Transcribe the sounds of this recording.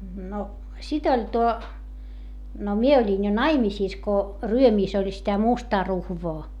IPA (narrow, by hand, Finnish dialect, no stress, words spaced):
no sit olʲ tuo no mie olʲin jo nɑimisiˑs ko ryømiˑs olʲ sitæ mustɑː ruhʋoː